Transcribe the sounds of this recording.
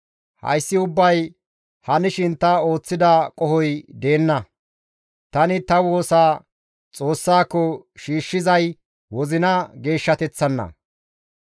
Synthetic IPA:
hɐ̰jsːɪʊbːɐj | hɐnɪʃɪnt̪ɐo̞ːt͡sːɪd̪ɐkʼɔhɔjd̪e̞ːnːɐ | t̪ɐnɪt̪ɐwo̞ːsaː | t͡sʼo̞ːsːaːkːɔʃiːʃːɪzɐj | wɔzɪnɐɡe̞ːʃːɐt̪ɛt͡sːɐnːɐ̰

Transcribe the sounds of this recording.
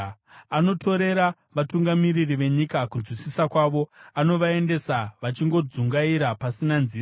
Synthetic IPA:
ano̞tʰo̞ɾe̞ɾa | ʋatuŋɡamiɾiriʋe̞ɲikakunzwisisakwaʋo̞ano̞ʋae̞nde̞saʋat͡ʃiŋɡo̞d͡zuŋɡaiɾapasinanziːra

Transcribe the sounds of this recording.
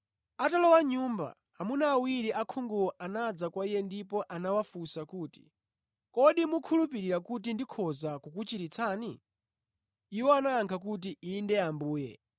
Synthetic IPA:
atalɔwaɲuːmba̰ | amunaːwiɾiʔakʰuŋɡuɔʔanad͡zakwaijɛndipɔʔanawafusakuːti̥̰ | kɔɗimukʰulupiɾiɾakut̬indikʰɔzakukut͡ʃiɾit͡sʰaːni | iwɔanaːŋkʰak̬ut̬iiːndɛambuːjɛ̰

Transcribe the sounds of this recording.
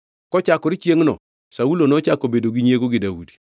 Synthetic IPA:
kɔt͡ʃakːɔɾit͡ʃeŋnɔ̰ | saulonɔt͡ʃakobedoɡiɲekoɡidawṵdi̥

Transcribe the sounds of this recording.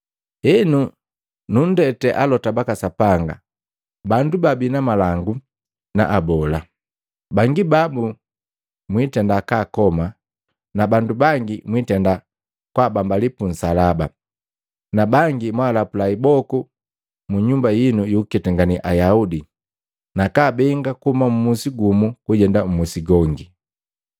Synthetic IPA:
ɛnu | nun̩dɛtɛʔalɔtabakasapaŋɡa̰ | bandubabinamalaŋɡu | na̰ʔabɔla | baŋɡibabu | mwitɛndakaːkɔma | nabandubaŋɡimwitɛnda | kwabambalipun̩salaba | nabaŋɡimwaːlapulaibɔku | muɲumbajinujukɛtɛŋɡaniʔajaudi | nakaːbɛŋɡakuumamumusiɡumukuɟɛndam̩musiɡɔŋɡi

